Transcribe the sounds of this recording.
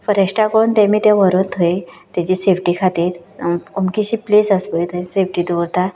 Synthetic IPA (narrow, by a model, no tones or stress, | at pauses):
fəɾeɕʈakount̪ɛ̃miːt̪jãʋəɾont̪ʰəit̪jat͡ɕiːsefʈiːkʰat̪iːɾomkiɕiːplesəsʋəjt̪əsefʈiːd̪oɾt̪a